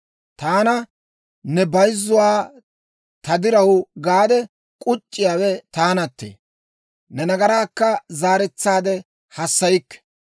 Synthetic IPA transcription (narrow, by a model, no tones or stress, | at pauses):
t̪aːnɐ | nɛbɐjzːʊwaː | t̪ɐd̪ɪɾɐwɡaːd̪ɛ | kʼʊt͡ʃʼːɪjaːwɛt̪aːnɐt̪ːḛː | nɛnɐɡɐɾaːkːɐzaːɾɛt͡sːaːd̪ɛ | hɐsːɐjɪkːɛ̥